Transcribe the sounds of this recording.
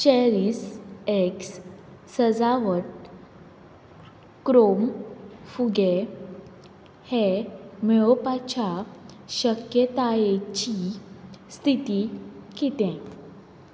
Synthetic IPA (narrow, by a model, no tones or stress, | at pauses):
t͡ɕeɾiseksː | əd͡zaʋəʈ | kɾomfuɡe | hemeopat͡ɕaɕəkjət̪ajet͡ɕi | st̪ʰit̪ikit̪ɛ̃